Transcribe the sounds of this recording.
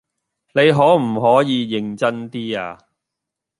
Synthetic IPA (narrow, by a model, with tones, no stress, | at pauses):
ne˨˧jɦɔː˨˥m̩˨˩ɦɔː˨˥jiː˨˧jɪ˨ŋt͡sɐ˥nt̪iː˥a̰ː˧